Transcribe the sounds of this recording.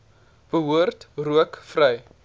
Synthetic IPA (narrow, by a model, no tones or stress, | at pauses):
b̥əɦuərtruəkfrəj